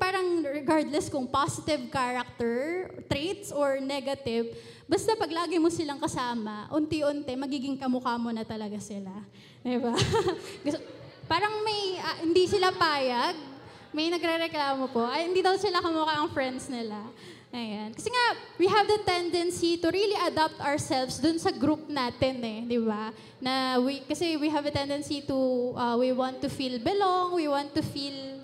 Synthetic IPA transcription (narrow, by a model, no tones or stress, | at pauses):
paːɾɐŋɹɛɡaɹd̪lɛskʊŋpasɪt̪ɪvkaɹɐk̚t̪ɛɹt̪ɾet̪soɹnɛɡɐt̪ɪv | bɐst̪apɐɡlaːɡɪjmosɪlaŋkɐsaːmɐʔʊnt̪ɛʔʊnt̪ɛmɐɡiːɡɪŋkɐmʊkamonɐt̪ɐlɐɡasɪla | d̪ɪbaɡs | paːɾɐŋmɐjɐhɪnd̪isɪlapaːjɐɡ̚ | mɐjnɐɡɾɛɾɛklaːmopoʔɐjhɪnd̪iːd̪ɐwsɪlakʊmoːkɐʔɐŋfɹɛnd̪snɪla | ʔɐjankɐsɛŋawiɦɐvd̪ɐt̪ɛnd̪ɛnsit̪ʊɾiliʔɐd̪ap̚t̪ɐɹsɛlfsd̪ʊnsɐɡɾup̚naːt̪ɛnɛd̪ɪba | nɐwikɐsɛwiɦɐvd̪ɐt̪ɛnd̪ɛnsit̪uʔɐwiwant̪ːʊfilbɛloŋwiwãnt̪ːufil